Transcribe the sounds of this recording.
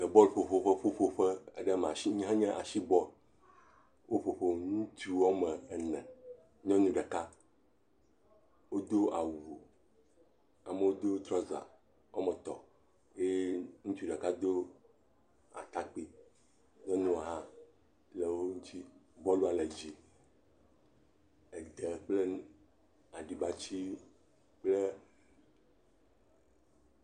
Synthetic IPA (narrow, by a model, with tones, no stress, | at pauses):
lə˨bɔ˦lɸo˨ɸo˦ɸe˦ɸo˦ɸo˨ɸɛ˦e˦ɖɛ˦m˨a˨ʃi˦ɲ̃˦ɦã˦ɲɛ̃˦ʔa˨ʃi˦bɔ˦l | wʔo˦ɸo˨ɸo˦ŋũ˦t͡ʃu˦wɔ˦mɛ˨ɛ˨nɛ̰̃˨ | ɲ˦ɔ̃˦nũ˦ɖɛ˨ka˦ | wo˦d̪o˦a˨wu˨ | a˨mə˦wo˦d̪o˦t̪ɾɔ˦za̰˨ | wɔ˦mɛ˨t̪ɔ̰˨ | je˦ŋũ˦t͡ʃu˦ɖa˨ka˦d̪o˦ | a̰˨t̪a˦k͡pi˨ | nɛ˦nũ˦a˨ɦã˦ | le˨wo˦ŋũ˦t͡ɕi˦bɔ˦lu˦a˨le˨d͡ʑi˨ | ɛ˨d̪ɛ˨k͡ple˦ | a˨ɖi˨ba˦t͡ɕi˦ | k͡ple˦